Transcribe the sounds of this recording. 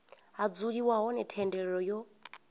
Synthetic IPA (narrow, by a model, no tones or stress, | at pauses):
ɦad͡zuɺiwaɦɔnɛtʰɛndɛɺɛɺɔjɔ